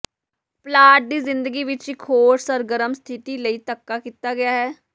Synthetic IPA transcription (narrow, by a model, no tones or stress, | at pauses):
plaːʈ̚d̪iːzɪnd̪əɡiːʋɪt͡ʃikʰoːɾsəɾɡəɾəmst̪ʰɪʈ̪iːləiːt̪əkːaːkiːt̪aːɡɪjaːɦɛː